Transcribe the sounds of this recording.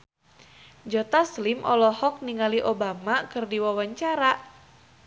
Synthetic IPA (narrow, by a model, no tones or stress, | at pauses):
d͡ʒɔt̪aslimʔɔlɔhɔk̚niŋaliʔobamakɨrdiwawaɲt͡ʃaɾaʔ